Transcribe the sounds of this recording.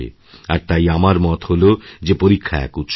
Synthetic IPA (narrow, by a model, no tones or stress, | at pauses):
ḛ | a̰ɾt̪ajamaɾmɔt̪holod͡ʑepoɾikʰːaɛ̰kut̪ʃ